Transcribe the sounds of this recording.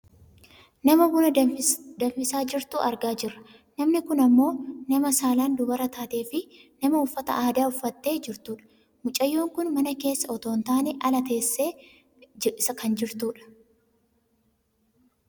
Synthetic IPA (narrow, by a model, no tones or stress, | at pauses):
nɐmɐbunɐd̪ɐɱfɪsaːd͡ʒɪɾt̪ṵːʔɐɾɡaːd͡ʒɪrːɐ̥ | nɐmnɪkʊnɐmːo̞ːnɐmɐsaːland̪ʊbɐɾɐt̪ʰaːt̪e̞ːfɪnɐmɐʊfːɐt̪ɐ̰ʔaːd̪aːʊfːɐt̪ːe̞ːd͡ʒɪɾt̪uːᶑɐ̥ | mʊt͡ʃʼɐjːo̞ːŋkʊnmɐnɐke̞ːsːɐɔt̪oːnt̪aːneʔɐlɐt̪e̞ːsːeː | d͡ʒɪʔɪsɐkɐnd͡ʒɪɾt̪uːᶑɐ̥